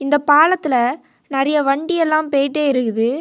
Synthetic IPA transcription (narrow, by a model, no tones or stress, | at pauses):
ɪnd̪ɐpaːlɐt̪ːɪlɐ | nɐɾɐjɐʋɐɳɖɪɛlːãːmpeːʈːeːɪɾɯɣɯðɯ